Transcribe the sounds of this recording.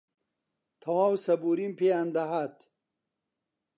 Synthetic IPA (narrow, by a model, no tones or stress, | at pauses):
t̪ʰɐwawsɐbuɾimpeand̪ɐɦat̪